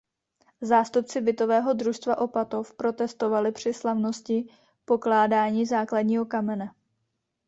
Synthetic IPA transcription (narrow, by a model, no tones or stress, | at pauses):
zaːst̪up̚t͡sɪbɪt̪o̞vɛːɦo̞d̪ɾuʃst̪vaʔo̞pat̪o̞fpɾo̞t̪ɛst̪o̞valɪpr̝̥ɪslavno̞scɪ | po̞klaːdaːɲiːzaːkladɲiːɦo̞kamɛnɛ